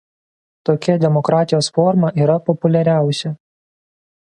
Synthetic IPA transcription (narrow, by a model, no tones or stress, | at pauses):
t̪oːkʲɛd̪ʲɛmɔkɾɑːt̪ʲɪjoːsfɔɾmɐʔiːɾɐpɔpʊlʲɛɾʲæˑʊsʲɛ